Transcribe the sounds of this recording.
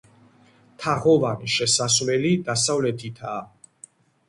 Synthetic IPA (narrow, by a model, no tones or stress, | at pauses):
t̪ʰaʁɔvaniʃɛsasvlɛlid̪asavlɛt̪ʰit̪ʰaː